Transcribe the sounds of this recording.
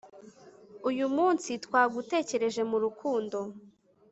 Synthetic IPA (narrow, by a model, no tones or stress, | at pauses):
ujumuːnsitwaːɡute̞ːce̞ɾe̞ʒe̞muɾukʰuːndo̞